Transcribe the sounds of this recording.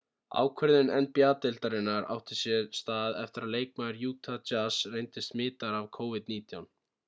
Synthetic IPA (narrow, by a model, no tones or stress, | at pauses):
a̰ːwkʰvɛɾðɪnɛnpjaːt̪ɪlt̪aɾɪnːaɾa̰wht̪ɪ̥sjɛst̪aːððɛft̪ɪɾaðleːjk̚maðɾjuːt̪ʰat͡ʃasrejnt̪ɪst̪mɪːt̪aɾavkʰowvɪðt̪niːt̪ʰjawn